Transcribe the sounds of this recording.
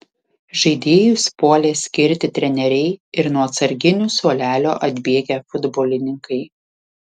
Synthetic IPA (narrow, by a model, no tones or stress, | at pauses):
ʒɐɪd̪ʲeːjʊspuɔlʲeːsʲkʲɪɾʲt̪ʲɪt̪ʲɾʲɛnʲɛɾʲɛɪɪɾnuɔɐt̪sɐɾʲɡʲɪnʲʊsuɔlʲæːlʲoːʔɐd̪ʲbʲiɛɡʲæfʊd̪boːlʲɪnʲɪŋkɐɪ